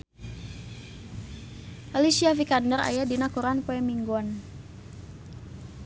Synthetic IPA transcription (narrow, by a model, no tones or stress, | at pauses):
ʔaliʃiavikadnəɾa̰jadinakuɾanpoɛmiŋɡɔn